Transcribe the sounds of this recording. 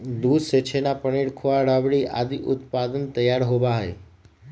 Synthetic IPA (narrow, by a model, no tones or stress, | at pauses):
d̪ud̪set͡ʃʰenapəɳiɽkʰoaɽaʋɽiʔa̰d̪iʔʊt̪pad̪ənt̪əjaɾɦoʋaɦəj